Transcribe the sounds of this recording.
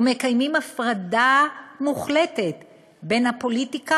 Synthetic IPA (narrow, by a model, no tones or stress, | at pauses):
ume̞kajmimafʁadamuχle̞te̞t | be̞nhapo̞litika